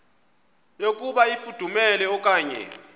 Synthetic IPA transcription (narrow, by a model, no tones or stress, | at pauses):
jokʼuɓaifud̥ʱumɛlɛɔkʼaːɲɛ̰